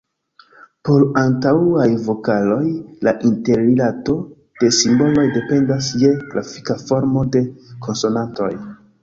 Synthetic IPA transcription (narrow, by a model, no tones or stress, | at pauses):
po̞ɾantauajvo̞kalo̞jlaʔinte̞ɾilato̞ | d̥e̞simbo̞lo̞jde̞pe̞ndasje̞kla̰fi̥kafo̞ɾmo̞de̞kʰo̞nso̞nanto̞̰j